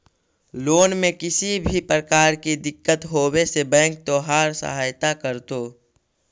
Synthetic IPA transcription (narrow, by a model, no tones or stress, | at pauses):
loːnmẽkɪsibʱipɾəkaːɾkid̪ɪkːət̪ɦoːwesebɛ̃ːŋk̚t̪oːɦaːɾsə̰ɦaːjt̪akəɾt̪oː